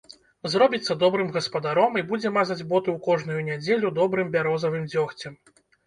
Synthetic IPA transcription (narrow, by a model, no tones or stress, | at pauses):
zrɔbʲit̪sːɐd̪ɔbɾɨmɣɐspɐd̪aɾɔmibud͡zʲɛmazɐd͡zʲbɔt̪ɨwkɔʐnujunʲad͡zʲelʲud̪ɔbɾɨmbʲaɾɔzɐvɨmd͡zʲɔxt͡sʲɛm